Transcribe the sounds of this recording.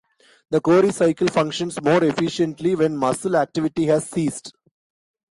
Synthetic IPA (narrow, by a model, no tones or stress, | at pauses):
d̪əkoːɾisaɪkəlfʌ̃ŋkʃə̃nsmoːɾefɪʃə̃ɳʈliʋɛ̃nmʌsəlæk̚ʈɪʋɪʈiɦæzsiːsɖ